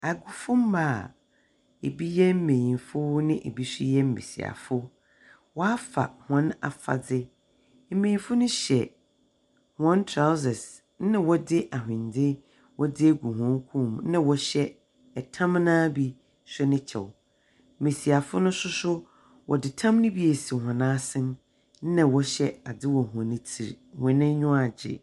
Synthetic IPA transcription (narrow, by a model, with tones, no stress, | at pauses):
a˨ɡʊ˨fʊ˦m̩˦maː˦˨ | e˨bi˦jɛ˦m̩˦mẽ˨jĩ˨nfʊ˦nɪ̃˦ʔe˨bi˦sʊ˦jɛ˦m̩˦mḛ̃˨sḭ˨a̰˨fʊ˦ | wɔ˦a˦fa̰˨hɔ̃˦na̰˨fa̰˨d͡zɪ˦ | m̩˦mẽ˨ĩ˨fʊ˦nʊ̃˦ɕɛ˨ | hɔ̃˦ntʰɾa˦wsɛ˨s | nɪ̃˦wɔ˦dɪ˦ʔa˨ɦɪ̃˨ndɪ˦ | wʔɔ˦dɪ˦ɡu˨ɦɔ̃˨˦ŋ˦kʰũ˦˨m˦nã˦wɔ˨ɕɛ˦ | ɛ˨tʰã˦mnãː˦bi˦ | sʊ˦nɪ̃˦t͡ɕʰɛ̰˨w | mẽ˨si˨a˨fʊ˦nʊ̃˦sʊ˦sʊ˦ | wʔɔ˨dɪ˨tʰã˦mnɪ̃˦bi˦e˨si˨hã˨nã˦sɪ̃˦n˦ | nã˨wɔ˦ɕɛ˦a˨dɪ˦wɔ˨hɔ̃˨nɪ̃˦tʰi˨ɾ | hɪ̃˨nɪ̃˦ɲʊ̃˦a˨d͡ʑɪ̰˨